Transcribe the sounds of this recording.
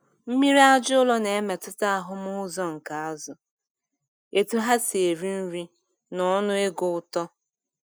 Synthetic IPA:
m̩˦mi˦ɾi˦a˦d͡ʒʊ˦lɔ˦ne˨e˦me˨tʊ˦ta˦a˦˨ɦʊ˦mʊ˦zɔ˦ŋ̩˨ka˨a˦zʊ˨ | e˨tu˦ɦa˦se˨ɾi˦n̩˦ɾi˦ | nɔ˨ɔ˦nʊ˦e˦ɡʊ˦ʊ˦tɔ˦

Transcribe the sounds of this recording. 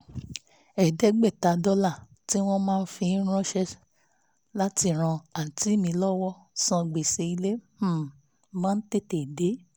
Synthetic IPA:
ɛ˨dɛ˨˦ɡ͡bɛ˦˨ta˨˦dɔ˦la˦˨ | ti˦w̃ɔ̃˦mãː˦˧n̩˦fĩ˧˦ɾ̃ɔ̃˦ʃɛ˦ | la˦ti˧˨ɾ̃ã˧a˨n̩˨ti˦mĩ˧lɔ˦wɔ˦ | sã˧ɡ͡be˨se˧i˧le˦˨ | mã˦n̩˦te˦˨te˨de˨˦

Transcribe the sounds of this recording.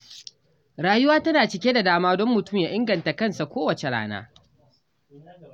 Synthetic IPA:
ɽaː˦jʊ˦waː˦tɐ˦naː˨t͡ʃɪ˨kʲeː˦da˨daː˦maː˦dɔ˦mːʊ˨tʊ˦˨mjaː˦ʔɪ˦ŋɡɐ˨nta˨kɐ˦nsa˨kʷoː˦wɐ˨t͡ʃe˨ɽa̰ː˦na̰ː˦

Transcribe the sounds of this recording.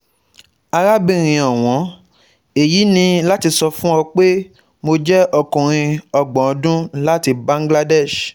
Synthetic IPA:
a˧ɾa˦bĩ˦˨ɾ̃ĩ˧ɔ˨w̃ɔ̃˨˦ | e˨ji˨˦nĩ˧la˦ti˧sɔ˧fũ˦ɔ˧k͡pe˦ | mo˧d͡ʒɛ˦ɔ˦˨kũ˨ɾ̃ĩ˧ɔ˨ɡ͡bɔ̃˨ɔ˨˦dũ˦la˦ti˧bã˦ŋ˦ɡla˦dɛ˦˨ʃ

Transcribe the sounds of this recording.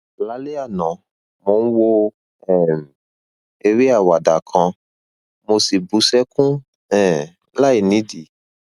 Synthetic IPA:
la˨˦le˦a˦˨nã˨ | mo˨˦ñ̩˦wo˦ | ɛ˦˨m˨ | e˧ɾi˦a˦˨wa˨da˨kʰã˧ | mo˧si˨bu˨˦sɛ˦kũ˦ | ɛ̃˨ | la˦i˨nĩ˨˦di˨

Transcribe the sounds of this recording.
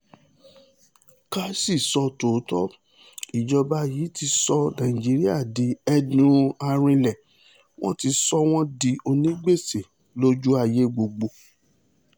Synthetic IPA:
ka˦si˦˨sɔ˧to˨˦tɔ˦ | i˨d͡ʒɔ˧ba˧jiː˨˦ti˧sɔ˧nã˨ĩ˨d͡ʒi˨˦ɾi˦a̰˦˨di˨˦ɛ˧dũ˧a˧ɾ̃ĩ˧lɛ˨ | w̃ɔ̰̃˦ti˧sɔ˦w̃ɔ̃˦di˧o˧nĩ˦ɡ͡be˦˨se˨ | lo˦d͡ʒu˦a˧je˦ɡ͡bo˧ɡ͡bo˧˨

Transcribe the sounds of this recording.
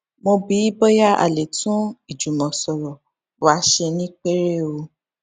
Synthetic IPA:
mõ˧bi˨˦i˦bɔ˦ja˦ʔa̰˨le˨tʰũ˦i˦˨d͡ʒu˨mɔ̃˨sɔ˨ɾɔ˨ | wa˨˦ʃe˧nĩ˦k͡pe˦ɾe˦˨o˧

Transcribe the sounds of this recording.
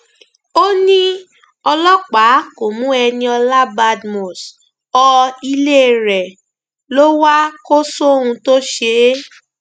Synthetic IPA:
o˦nĩ˦ | ɔ˧lɔ˦k͡pa˨˦ko˨mũ˦ɛ˧nĩ˧ɔ˧la˦ba˧dmɔ̃˨s | ɔ˧i˧le˦˨ɾɛ˨ | lo˦wa˦ko˦sõ˦ũ˧to˦ʃe˧˦

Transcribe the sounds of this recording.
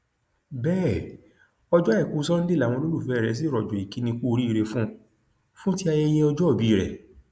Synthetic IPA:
bɛː˦˨ | ɔ˧d͡ʒɔ˦ɛ˦˨ku˦sɔ̃˦n̩˦de˦˨a˦˨w̃ɔ̃˧lo˦ɾu˦˨fɛ˨˦˨ɾɛ˨˦s̬i˦˨ɾɔ˨d͡ʒɔ˨i˨ki˨˦nĩ˧k͡po˦˧ɾi˦i˦˧ɾe˧fũ˦ | fũ˦ti˦a˧jɛ˧˦j̃ɛ̃˧ɔ˧d͡ʒɔ˦ɔ˦˨bi˨˦˨ɾɛ̰˨

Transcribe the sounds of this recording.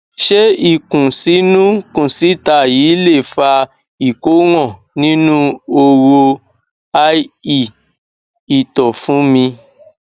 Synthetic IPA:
ʃe˦i˦˨kũ˨si˨˦nũ˦kũ˦˨si˨˦ta˧˨jiː˨˦le˦˨fa˧ | i˨ko˨˦w̃ɔ̃˦˨ | nĩ˦nũ˦o˧wo˧ | a˧i˦˨ | i˨tɔ˨fũ˨˦mĩ˧

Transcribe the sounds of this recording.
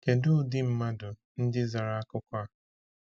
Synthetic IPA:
ke˨dʊ˦˨dɪ˦m̩˦ma˦dʊ˨ | n̩˦dɪ˦za˨ɾa˨a˦kʊ˦kʷa˦

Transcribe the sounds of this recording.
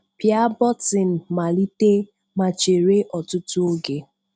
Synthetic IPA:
pja˦bɔ˦tɪ˨m̩˨ma˨li˦te˦ | ma˨t͡ʃe˨ɾe˦ʔɔ˨tʊ˦tʊ˦o˦ɡe˦

